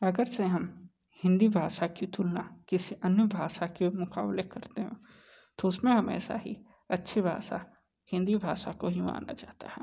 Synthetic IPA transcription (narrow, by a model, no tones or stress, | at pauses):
ɐɡəɾseɦɐm | hɪ̃nd̪ibʱaːʃakit̪ulnakɪsiʔɐnjəbʱaːʃakemʊkaːblekɐɾt̪eɦɛ̰̃ | t̪oʊsmẽɦɐmɛ̰ːsa̰ɦḭ | ɐtːʃʰebʱa̰ːʃa | hɪ̃nd̪ibʱaːʃakoɦima̰ːna̰d͡ʒaːt̪a̰ɦɛ̃ː